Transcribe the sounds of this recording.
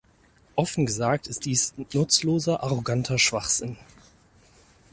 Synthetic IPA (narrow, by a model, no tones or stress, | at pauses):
ʔɔfn̩ɡəzaːk̚tɪst̚d̥iːsnʊt͡sloːzɐʔaʁoɡantʰɐʃv̥aχz̥ɪn